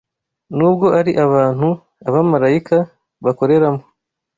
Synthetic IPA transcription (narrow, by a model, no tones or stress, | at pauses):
nuːbɡo̞ʔaɾiʔaβaːn̥hu | aβamaɾaika | βako̞ɾe̞ɾamo